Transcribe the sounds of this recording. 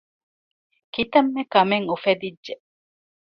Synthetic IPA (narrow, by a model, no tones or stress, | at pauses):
kit̪ɐmːekɐmeŋufed̪idːʒe